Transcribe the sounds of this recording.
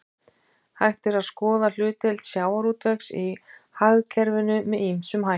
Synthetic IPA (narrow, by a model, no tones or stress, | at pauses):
hajht̪ɪɾaðskɔːðal̥ʏːt̪ɛlt̪sjaːwaɾut̪vɛksihaɣkʰɛɾvɪnʏmɛðimsʏmɦa